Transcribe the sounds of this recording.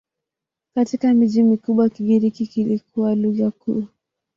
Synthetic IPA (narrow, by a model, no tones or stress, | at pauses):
katikamiʄimikuɓwakiɡiɾikikilikuwaluɣakuː